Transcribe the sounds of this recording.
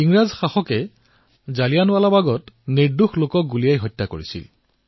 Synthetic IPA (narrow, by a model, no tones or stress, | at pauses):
iŋɹazxaxɔkɛ | zalijanʊwalabaɡɔtniɹduxlokɔɡulijajɦɔjtːakoɹisḭl